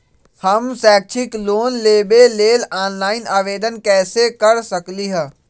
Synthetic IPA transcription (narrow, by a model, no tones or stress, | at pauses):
həmsɛːk̚t͡ʃʰɪkloːnleːbeleːlaːnlaːɪnaːʋeːd̪ənkɛːsekəɾsəkliɦəː